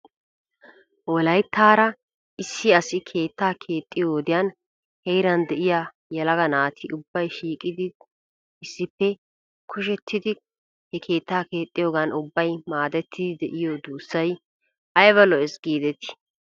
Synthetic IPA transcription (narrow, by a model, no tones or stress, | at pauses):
wɔlɐjt̪ːaːɾɐ | ʔɪsːɪɐsɪkʰe̞ːt̪ːaːkʰe̞ːt̪ʼːɪjoːd̪ɪjaːn | hɛjɾɐnd̪ɛʔɪja | jɛlɐɡɐnaːt̪ʰɪʊbːɐjʃiːkʼɪd̪ɪ | ɪsːɪpːɛ | kʰʊʃ̬ɛt̪ʰːɪd̪ɪ | hɛkʰe̞ːt̪ːaːke̞ːt̪ʼːɪjo̞ːɡɐnʊbːɐjmaːd̪ɛt̪ʰːɪd̪ɪd̪ɛʔɪjod̪uːsːɐj | ʔɐjβɐlɔɛsɡiːd̪ɛt̪ɪ̥